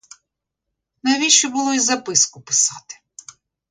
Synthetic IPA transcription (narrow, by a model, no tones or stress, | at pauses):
nɐʋʲiʃt͡ʃɔbʊlˠɔizɐpɪskʊpɪ̥sɑt̪ɪ̥